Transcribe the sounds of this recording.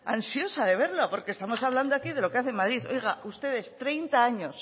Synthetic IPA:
ansjo̞saðe̞β̞e̞ɾlopo̞ɾkest̪amo̞saβland̪oakiðe̞lo̞keaθemaðɾiθo̞̰jɣaust̪e̞ðe̞st̪ɾe̞jnt̪aaɲo̞s

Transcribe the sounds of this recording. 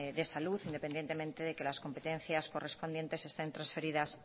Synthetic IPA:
ðe̞saluθind̪e̞pend̪jent̪e̞mẽnt̪e̞ðe̞ke̞lasko̞mpe̞t̪ẽ̞n̟θjasko̞re̞spo̞nd̪je̞nt̪e̞se̞st̪ent̪ɾansfe̞ɾiðas

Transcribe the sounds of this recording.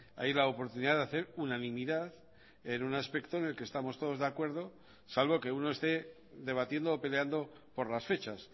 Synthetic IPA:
a̰jlaopo̞ɾt̪uniðaðeaθe̞ɾunanĩmiðað | e̞nunaspe̞kt̪o̞ene̞lkest̪amo̞st̪o̞ð̞o̞zðeakwe̞ɾð̞o̞ | salβo̞ke̞uno̞e̞st̪e̞ | ðe̞β̞at̪je̞nd̪oːpe̞le̞and̪o̞ | po̞ɾlasfe̞t͡ʃas

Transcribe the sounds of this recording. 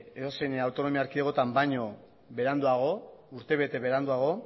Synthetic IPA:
eðosejneawt̪o̞no̞miaɾkiðeɣ̞o̞t̪ambajɲo̞ | be̞ɾand̪uaɣ̞o̞uɾt̪e̞βe̞t̪e̞βe̞ɾand̪uaɣ̞o̞

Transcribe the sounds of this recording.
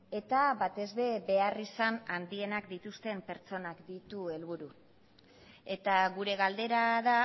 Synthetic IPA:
e̞t̪aβat̪e̞zβe̞βe̞arisanand̪ie̞nakd̪it̪ust̪e̞mpe̞ɾt͡so̞nakd̪it̪ue̞lβuɾu | e̞t̪aɣuɾe̞ɣald̪e̞ɾaða

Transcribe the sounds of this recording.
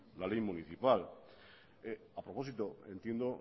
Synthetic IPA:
lalejmuniθipal | e | apɾo̞posit̪oḛ̃nt̪je̞nd̪o

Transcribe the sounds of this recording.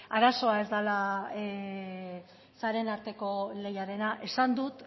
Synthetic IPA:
aɾaso̞ae̞zd̪ala | saɾe̞naɾt̪e̞ko̞le̞jaɾe̞naʔe̞sand̪ut̪

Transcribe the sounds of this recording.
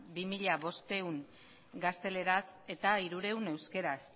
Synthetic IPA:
bimiʎaβo̞st̪e̞uŋ | ɡast̪e̞le̞ɾase̞t̪aiɾuɾe̞une̞wske̞ɾas

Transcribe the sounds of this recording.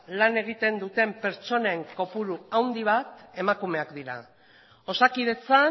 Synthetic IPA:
lane̞ɣ̞it̪e̞nd̪ut̪e̞mpe̞ɾt͡ʃt͡so̞neŋko̞puɾuawnd̪iβ̞at̪e̞makume̞akd̪iɾa̰ | o̞sakið̞e̞t͡sa

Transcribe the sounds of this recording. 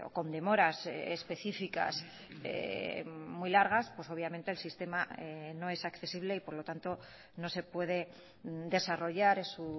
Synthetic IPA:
o̰ko̞nd̪e̞mo̞ɾasespe̞θifika̰s | ḛ | muilaɾɣ̞aspwe̞so̞βjament̪eːlsist̪e̞maeno̞e̞sakθe̞siβle̞ipo̞ɾlo̞t̪ant̪o̞ | no̞se̞pwe̞ð̞e̞ | d̪e̞saro̞ʝaɾesu

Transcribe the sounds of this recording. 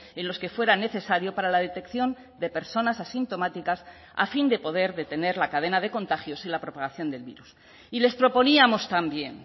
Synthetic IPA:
e̞nlo̞ske̞fwe̞ɾane̞θe̞saɾjo̞paɾalaðe̞t̪e̞kθjo̞n | d̪e̞pe̞ɾso̞nasasint̪o̞mat̪ikas | a̰find̪e̞po̞ð̞e̞ɾðe̞t̪e̞ne̞ɾlakaðe̞nað̞e̞ko̞nt̪axjo̞silapɾo̞paɣ̞aθjo̞nd̪e̞lβḭɾus | ile̞spɾo̞po̞niamo̞st̪ambje̞n

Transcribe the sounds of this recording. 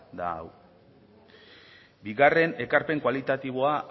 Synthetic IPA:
d̪a̰w | biɣare̞ne̞kaɾpe̞ŋkwalit̪at̪iβ̞o̞aʔ

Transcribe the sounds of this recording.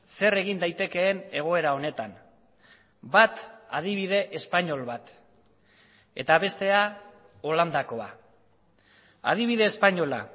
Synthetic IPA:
se̞re̞ɣind̪ajt̪e̞ke̞ːne̞ɣ̞o̞e̞ɾao̞ne̞t̪an | bat̪a̰ð̞iβ̞ið̞e̞ʔespaɲo̞lβat̪ | e̞̰t̪aβe̞st̪e̞a | o̞land̪ako̞a̰ | a̰ð̞iβ̞ið̞e̞ːspaɲo̞la̰

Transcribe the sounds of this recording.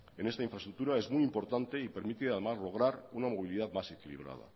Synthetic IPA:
ene̞st̪aiɱfɾast̪uk̚t̪uɾae̞zmujimpo̞ɾt̪ant̪e̞ipeɾmit̪eaðemazlo̞ɣ̞ɾaɾunamo̞β̞iliðaðmase̞kilḭβ̞ɾa̰ð̞a̰

